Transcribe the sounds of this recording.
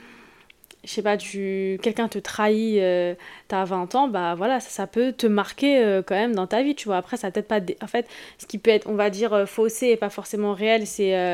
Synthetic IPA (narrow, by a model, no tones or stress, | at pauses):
ʃʃepat̪ykʲɛlkʲɛ̃t̪ət̪χaiøt̪avɛ̃t̪ɑ̃bavwalassapøt̪əmaʁkʲeøkɑ̃mɛmd̪ɑ̃t̪avit̪yvwaːpχɛsapøət̪ɛt̪χpad̪eʔɑ̃fɛt̪sə̥kʲipøɛt̪χɔ̃vad̪iːʁøfoseːpafɔʁsemɑ̃ʁeɛlsɛø